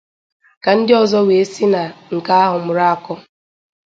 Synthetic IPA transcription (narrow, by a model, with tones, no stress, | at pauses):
ka˨n̩˦dɪ˦ɔ˨zɔ˦we˨e˦si˦na˨ŋ̩˨ka˦a˦ɦʊ˨mʊ˨ɾa˦a˨kɔ˦